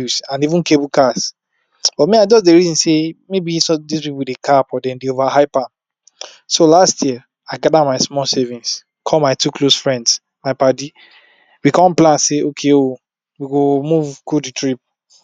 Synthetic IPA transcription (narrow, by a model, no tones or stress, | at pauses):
usãnivũnkebukas | b̥ɔtmiaɪdɔzdeɹizĩnsemebisɔdispipudekʰapɔdɛ̃ndeovahaɪpãm | solastʰji | aɪɡadamaɪsmɔlsɛvĩns | kʰɔmaɪtuklosfɹɛ̃nds | maɪpadi | wikɔ̃mplãnseʔokʰeo | wiɡomuvkuditɹip̚